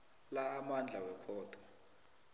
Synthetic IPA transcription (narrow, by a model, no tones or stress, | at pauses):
laːmand͡ɮʱawɛkʰɔːd̥ʱɔ